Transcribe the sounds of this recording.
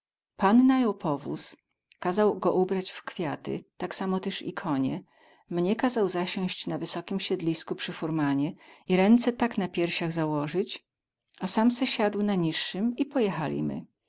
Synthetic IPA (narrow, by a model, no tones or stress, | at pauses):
panːajɔwpʰɔvṵs | kazawɡɔʔubɾat͡ɕfkfʲjat̪ɘ̰t̪aksamɔt̪ɛʂḭkʰɔɲɛ | mɲɛkazawzaɕɔ̃w̃ɕt͡ɕnavɘsɔkʲimɕɛd̪lʲiskupʂɘfuɾmaɲɛiɾɛnt̪sɛt̪aknapʲjɛɾɕaɣzawɔʐɘt͡ɕ | asamsɛɕad̪wnaɲiʂːɘmipɔjɛxalʲḭmɘ̰